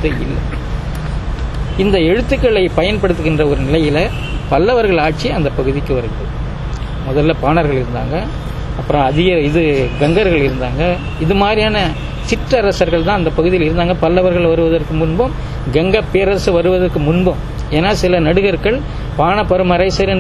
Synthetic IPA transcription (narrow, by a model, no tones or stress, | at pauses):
t̪ɐɪ̰lːɐ̰ | ɪnd̪ɐɛɻɯt̪ːɯkːɐɭɐɪpɐjɐnpɐɽɯt̪ːɯɣɪndrɐɔɾɯnɪlɐjɪlɐ | pɐlːɐʋɐɾɣɐɭaːʈ̚t͡ʃiɐnd̪ɐpɐɣɯðɪkːɯʋɐɾɯɣɪɾɐðɯ | mɔðɐlːɐpaːnɐɾɣɐɭɪɾɯnd̪a̰ːŋɡɐ | ɐpːɯɾɐ̃ɐðɪɣɐɪðɯɡɛŋɡɐɾɣɐɭɪɾɯnd̪aːŋɡɐ | ɪðɯmaːd̪ɾijaːnɐ | sɪʈrɐɾɐsɐɾɣɐɭt̪ãːɐnd̪ɐpɐɣɯðɪjɪlɪɾɯnd̪aːŋɡɐpɐlːɐʋɐɾɣɐɭʋɐɾɯʋɐðɐɾkɯmʊnbɐm | ɡɛŋɡɐpːeːɾɐsɯʋɐɾɯʋɐðɐrkːɯmʊnbɐm | eːnːaːsɪlɐnɐɽɯɣɐɾkɐɭ | paːnɐpːɐɾɯmɐɾɐɪsɐɾ